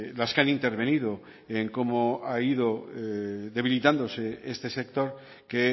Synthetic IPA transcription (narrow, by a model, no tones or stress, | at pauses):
laskeanint̪e̞ɾβe̞nið̞o | eŋko̞moaiðo | ðe̞β̞ilit̪and̪o̞se̞est̪e̞se̞k̚t̪o̞ɾ | ke